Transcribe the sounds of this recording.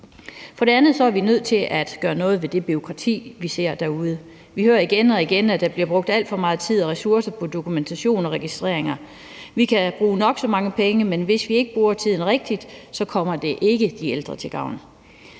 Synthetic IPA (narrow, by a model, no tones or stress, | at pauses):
fɒ̽ɾ̥e̝ænð̞̩ˠsɒ̽æɐʋinøð̞̰ˠt͡sʰe̝lʔæd̥ɡ̥ɶːɐnɔ̽ːð̞̩ˠʋe̝d̥e̝b̥yo̝kʰʁɑ̈t͡sʰḭːʋise̝ɐ̰d̥æɐuð̞ˠə | ʋihøːɐiɡ̥enɒ̽iɡ̥enæd̥ɑ̈b̥liɐb̥ʁɔ̽ɡ̥̚d̥æl̰d̥fɒ̽mɑ̈ːð̞̩ˠt͡sʰið̞̰ˠɒ̽ʁɛsuɐsɐpʰɒ̽d̥o̝kʰument͡sʰæɕo̝̰ːnɒ̽ʁɛɡ̥isd̥ʁḛɐ̰eŋɐ | ʋikʰæb̥ʁuːnɒ̽ɡ̥sɒ̽mɑ̈ŋəpʰeŋəmenʋe̝sʋie̝ɡ̥əb̥ʁuːɐt͡sʰið̞̰ˠn̩ʁeɡ̥̚d̥id̥sɒ̽kʰɒ̽m̰ɐd̥e̝ʔe̝ɡ̥əd̥ield̥ʁɐt͡sʰe̝ɡ̥ɑ̈ʊ̰n